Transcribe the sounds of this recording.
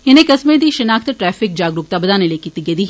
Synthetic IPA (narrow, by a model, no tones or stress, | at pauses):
ɪnekɐsmẽd̪iʃɐnaːkʰt̪ʈɾɛːfɪk̚d͡ʒaːɡɾʊk̚t̪abɐd̪aːnelekit̪iɡed̪iː